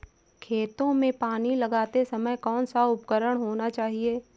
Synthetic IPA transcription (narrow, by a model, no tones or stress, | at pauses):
kʰeːt̪õmẽpaːnilɐɡaːt̪esɐməjkɔːnsaʊpkəɾəɽ̃ɦoːnat͡ʃaːɦieː